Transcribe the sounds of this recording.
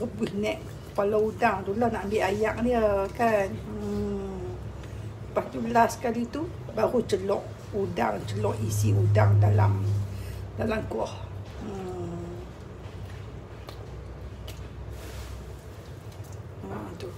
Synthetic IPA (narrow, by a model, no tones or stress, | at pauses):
rəbuihnɛʔ | kə̥palaudaŋdulahnaʔmbiʔajaʔ̚diəkanə | pat̪ulasə̥kalit̪u | baɾut͡ʃəlɔʔ | uda̰ŋt͡ʃəlɔʔisiudaŋdala̰m | dalamkɔhə | t̪u